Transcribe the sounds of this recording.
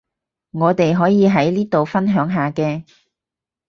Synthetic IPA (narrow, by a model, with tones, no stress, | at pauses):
ŋɔː˨˧t̪e˨jɦɔː˨˥jiː˨˧ɦɐ˨˥jliː˥t̪o˨wfɐ˥nɦœː˨˥ŋɦaː˨kɛː˧